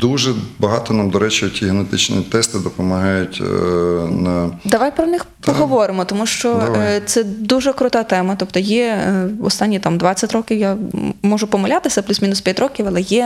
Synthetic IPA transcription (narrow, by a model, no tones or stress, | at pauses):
d̪uʒɛbɐɦɑt̪ɔnamd̪ɔɾɛt͡ʃiɔtʲiɦenet̪ɪt͡ʃnʲḭt̪ɛst̪ɪd̪ɔpɔmɐɦɑjʊtʲ | nɐd̪ɐʋajpɾɔnɪxpɔɦɔʋɔɾɪmɔt̪ɔmuʃt͡ʃɔt̪sɛd̪uʒɛkɾʊt̪ɑt̪ɛmɐt̪ɔpt̪ɔjɛɔst̪ɑnʲːit̪amd̪ʋɑt͡sʲːɐtʲɾɔkʲɪwjamɔʒʊpɔmɐlʲat̪ɪsʲɐplʲusmʲinʊspʲjɐtʲɾɔkʲɪwɐlˠɛjɛ